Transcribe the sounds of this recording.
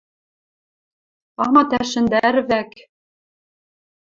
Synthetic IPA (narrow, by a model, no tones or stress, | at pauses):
ɑmɑt̪æʃɘ̆nd̪æɾvæk